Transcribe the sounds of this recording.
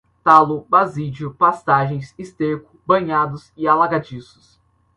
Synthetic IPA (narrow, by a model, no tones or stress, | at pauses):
t̪alʊbazid͡ʒʊpast̪aʒẽj̃sist̪eɾkʊ̥bɐ̃ɲad̪ʊsɪalaɡad͡ʒisʊ̥s